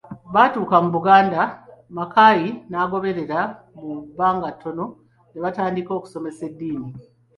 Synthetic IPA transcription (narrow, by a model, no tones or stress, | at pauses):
βaːtuːkamuβuɡaːndamakajinaːɡo̞βe̞ɾe̞ɾa | mubaːŋɡatʰːo̞no̞ | neβataːndiko̞ːku̥so̞me̞se̞dːiːni